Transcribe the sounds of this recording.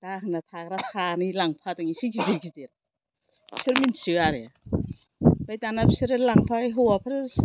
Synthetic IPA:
d̥aɦnatʰakɾasanilaŋpʰatɯŋisikidiɡideɾ | siɾminsɯaɾia | bajtanabsiɾelaŋpʰaiɦowapʰaɾ

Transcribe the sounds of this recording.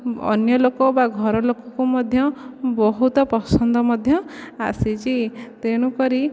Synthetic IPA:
ɔ̰njɔlokɔbaɡʱɔɾɔlokɔkumɔd̪ʱjɔbɔɦut̪ɔpɔsɔnd̪ɔmɔd̪ʱjɔa̰sit͡ʃit̪eɽ̃ukɔɾi

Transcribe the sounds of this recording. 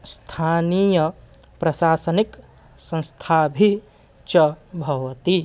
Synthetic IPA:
st̪ʰaːnijɐ | pɾɐʃaːsɐnik | sɐ̃st̪ʰaːbʱi | t͡ʃɐbʱɐʋɐt̪i

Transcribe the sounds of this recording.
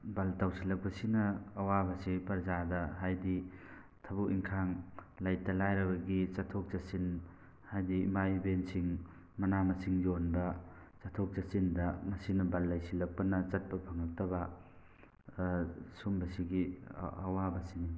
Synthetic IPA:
bɐltawsilɐk̚pɐsinɐːwabɐsipɐɾzadɐɦajdi | tʰɐbuiŋkʰaŋlajtɐlajɾɐbɐɡit͡ʃɐtʰok̚t͡ʃɐsin | hajdḭmajbensiŋ | mɐnamɐsiŋjonbɐt͡ʃɐtʰok̚t͡ʃɐsindɐmɐsinɐbalːajsilɐk̚pɐnɐt͡ʃɐt̚pɐpʰɐŋɐk̚tɐbɐ | sumbɐsiɡiɐ̰wabɐsini

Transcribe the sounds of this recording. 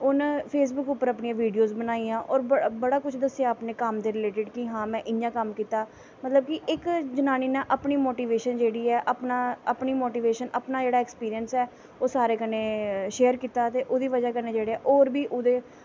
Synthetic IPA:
ʊnpʰeːs̬bʊkʊpːəɾəpniãːʋiːɖijoːzbənaːiːãːʔɔːɾbəɽaːkʊt͡ʃʰd̪əsːɪjaːəpneːkəmd̪eːɾɪleːʈɪɖkɪɦãːmɛ̃ːʔɪjãːkəmkiːt̪aː | mət̪ləb̚kɪʔɪkd͡ʒənaːniːnẽʔəpniːmoːʈiːʋeːʃənd͡ʒeːɽiːɛːʔəpnaːəpniːmoːʈiːʋeːʃənʔəpnaːd͡ʒeːɽaːɛkspiːɾiənsɛː | oːsaːɾeːkəneːʃeːəɾkiːt̪aːt̪eːʔoːd̪iːʋəd͡ʒaːkəneːd͡ʒeːɽeːɛːʔoːɾbiːʔʊd̪eː

